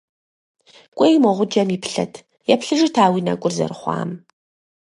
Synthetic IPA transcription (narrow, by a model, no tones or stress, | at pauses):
kʷʼejmɔʁʷʊd͡ʒɐmjɪpɬɐ̰tʰ | jɛpɬɨʐɨtʰaːwinɐ̰kʷʼʊrzɐ̰rɨχʷɑ̰ːm